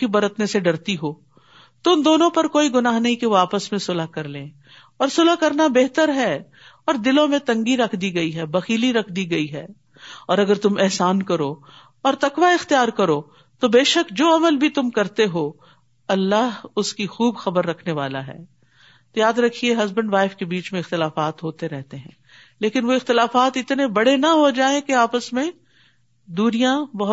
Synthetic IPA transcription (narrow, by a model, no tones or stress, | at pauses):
ibɐɾət̪neseɖɐɾt̪iɦoː | t̪ʊʊmd̪oːnõpɐɾkoːiɡʊnaːɦnɐɦĩkeaːpəsmẽsʊlaɦkɐɾlẽː | ɔːɾsʊlakɐɾnabeːɦt̪əɾɦɛ | ɔːɾd̪ɪlõmẽt̪ɐ̃ŋɡiɾɐkʰd̪iɡɐiɦɛbɐxiːliɾɐkʰd̪iɡɐiɦɛː | ɔːɾɐɡəɾt̪ʊmɛɦsaːnkɐɾoː | ɔːɾt̪ɐkʋaɪxt̪ijaːɾkɐɾoː | t̪obeːʃəkd͡ʒoːɐməlbʱit̪ʊmkɐɾt̪eɦoː | ɐlːaɦʊskixuːbxɐbəɾːɐkʰneʋaːlaɦɛ̰ː | t̪ojaːd̪ɾɐkʰieɦɐzbə̃ɳɖʋaːɪfkebiːt͡ʃmẽɪxt̪ɪlaːfaːt̪ɦoːt̪eɾɛɦt̪eɦɛ̃ː | leːkɪnʋoɪxt̪ɪlaːfaːt̪ɪt̪nebɐɽenɐɦod͡ʒaːẽkeaːpəsmẽ | d̪uːɾijãbɐɦ